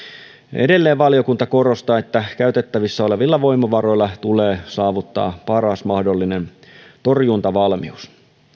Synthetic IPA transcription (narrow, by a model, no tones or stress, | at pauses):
edelːe̞ːʋʋɑlio̞kunt̪ɑko̞ro̞st̪ɑːet̪ːækæyt̪et̪ːæʋisːæo̞le̞ʋilːɑʋo̞ijmɑʋɑro̞ilːɑt̪uleːsɑːʋut̪ːɑ̰ːpɑɾɑsmɑhdolːinent̪o̞rjunt̪ɑʋɑlmius